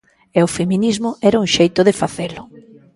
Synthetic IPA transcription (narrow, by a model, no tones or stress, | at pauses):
ɛʊfeminizmʊʔɛɾauŋʃejt̪ʊðefaθelʊ